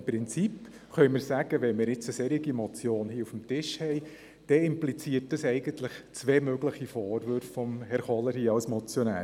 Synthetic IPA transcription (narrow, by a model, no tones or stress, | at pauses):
mpɾɪnt͡sip | χœʏmɪɾsæɡ̥əʋɛnmɪːɾɪt͡səsɛɾiɡimɔt͡sjoːnhiːufm̩tɪʃhɛɪ | d̥ɛɪmplit͡siət̚dɑsɛɪɡənt̪lɪχt͡sʋeːmøɡləχifoːɾʋøɾffɔmhɛɾχɔləɾhiːɑlsmɔt͡sjɔnæ̰ːɾ